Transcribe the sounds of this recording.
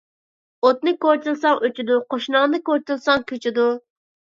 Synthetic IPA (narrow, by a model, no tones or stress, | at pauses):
ot̪̚nɨkoɾt͡ʃ̪ilˠsɑŋøt͡ʃʰid̪uqʰoʃnɑŋnɨkoɾt͡ʃɨlˠsɑŋkʲʰøt͡ʃʰid̪u